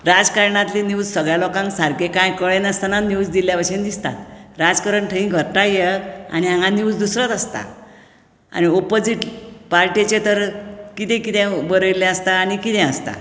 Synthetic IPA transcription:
ɾad͡zkaɾɳat̪linud͡zsəɡɭjalɔkãŋksaɾkekãjkəɭenəst̪ananud͡zd̪iljaʋəɕend̪ist̪a̰t̪ɾad͡zkəɾəɳʈʰə̃ĩɡʱəɾʈajea̰ñiãŋanuwd͡zd̪usɾət̪əst̪a̰ | a̰ñiopod͡ziʈpaɾʈet͡ɕet̪əɾkit̪ẽkit̪ɛ̃bəɾəjilɛ̃əst̪aːnikit̪ɛ̃əst̪a̰

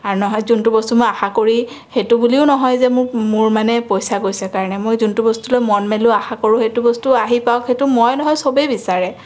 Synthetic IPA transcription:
aɹunɔɦɔjzuntubɔstumojaxakoɹi | xetubuliʊnɔɦɔjzɛmʊmʊɹmanɛpojsaɡojsɛkaɹɔnɛmojzuntubɔstulojmɔnmelʊaxakoɹʊ̃xetubɔstuaɦipawkxetʊmɔjnɔɦɔjsobebisaɹɛ

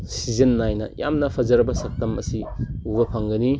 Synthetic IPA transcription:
sizenːajnɐ̰ja̰mnɐpʰɐzɐɾɐbɐsɐk̚tɐmɐsiubɐpʰɐŋɡɐni

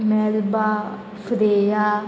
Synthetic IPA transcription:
mɛːlbaː | fʰəɾeːjaː

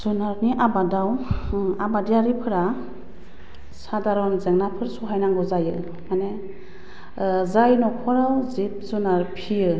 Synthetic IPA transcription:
z̥ɔnaɾniʔabadawabadijaɾipʰɯɾa | sadaɾɔnzeŋnapʰɯɾsɔɦajnaŋɡɔzajɯ | mane | zajnɔkʰɔɾawzip̚zɔnaɾpʰijɯ

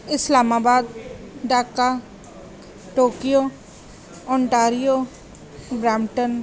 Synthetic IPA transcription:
ɪslaːmaːbaːd̪ɖaːkːa | ʈoːkijo | ɔ̃ːɳʈaːɾijo | bɾaːmʈən

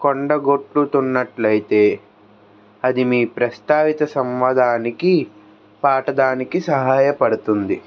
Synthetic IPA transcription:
koɳɖɐɡoʈlut̪unːɐʈlɐjit̪e̞ː | ɐd̪imiːpɾɐst̪aːʋit̪ɐsɐmʋɐd̪ʱaːniki | paːʈɐd̪aːnikisɐɦaːjɐpɐɽut̪und̪i

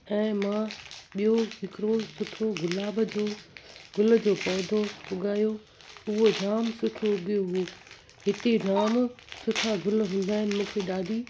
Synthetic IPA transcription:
ɛ̃ːmãɓijoɦɪkɾosʊʈʰoɡʊlaːbəd͡ʑoːɡʱʊlə̆d͡ʑoːpɔːd̪ʱoʊɡaːjo | ʊɦod͡ʑaːmsʊʈʰoɡijoɦu | ɦɪt̪ed͡ʑaːmsʊʈʰaɡʱʊlɦũːn̆d̪aːɦɪnɪ̆mũːkʰeɗaːd̪ʱiː

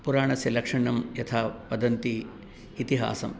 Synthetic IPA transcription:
puɾaːɳɐsjɐlɐkʂɐɳɐmjɐt̪ʰaːpɐd̪ɐnt̪iː | t̪iɦa̰ːsɐ̰m

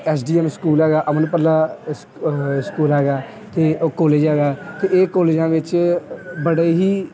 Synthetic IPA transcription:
ɛːsɖiːɛːmskuːlɦɛːɡaːʔəmənpəɾlaːs | skuːlɦɛːɡaː | t̪eːokɔːleːd͡ʒɦɛːɡaːt̪eːʔeːkɔːleːd͡ʒãːʋɪt͡ʃ | bəɽeːɦiː

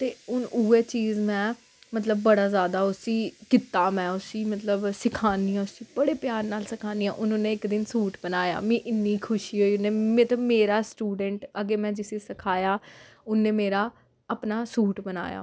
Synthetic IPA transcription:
t̪eːʊnuːeːt͡ʃiːzmɛ̃ː | mət̪̬ləb̚ːəɽaːzjaːd̪aːʊsiːkɪt̪aːmɛ̃ːʊsiːmət̪ləbsɪkʰaːniːãːʊsiːbəɽeːpjaːɾnaːlsəkʰaːniːã̰ːʔʊnʊnẽːɪkd̪ɪnsuːʈbənaːja̰ːmĩːʔɪnːiːkʰʊʃiːɦoːiːʊnːeːmət̪əmeːɾaːsʈuːɖəɳʈəɡeːmɛ̃ːd͡ʒɪseːsəkʰaːjaː | ʊnːẽːmeːɾaː | əpnaːsuːʈbəna̰ːja̰ː

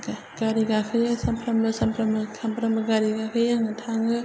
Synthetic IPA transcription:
ɡ̥aɾiɡakʰɯjasɐmpʰɾɐmɯsɐmpʰɾɐmɯkʰampʰɾɐmɯɡaɾiɡakʰɯjaŋɯtʰaŋɯ

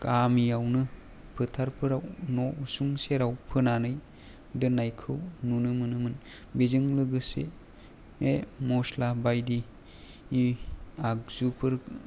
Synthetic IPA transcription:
kʰamiawnɯ | pʰɯtʰaɾpʰɯɾawnɔusuŋseɾawpʰɯnanɯj | dɯnajkʰɯwnunɯmɯnɯmɯn | bezɯŋlɯɡɯse | memɔslabajdiː | ak̚zupʰɯɾ

